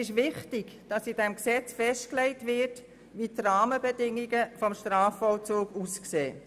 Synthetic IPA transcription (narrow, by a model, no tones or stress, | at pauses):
ɪʃʋɪχtɪɡ | d̥ɑsid̥ɛmksɛt͡sfɛʃtklɛɪtvɪɾt | ʋitrɑːməbədɪŋːiɡəfɔmʃtɾɑːfɔlt͡soːɡuskseː